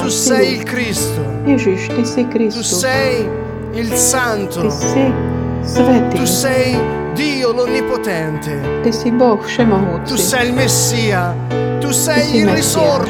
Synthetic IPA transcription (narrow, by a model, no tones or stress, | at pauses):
t̪usɛjilkɾist̪o | ɪʒiʃt̪ɪsɪkɾisuoɛj | ilsant̪oɪsɪ | svɛt̪ɪusɛj | d̪iːolonːipot̪ɛnt̪e | t̪ɪsibɔxʃɛmɐɦot̪ːuɪsɛjilmesːiːa | t̪usɛjsiimɛːisɔr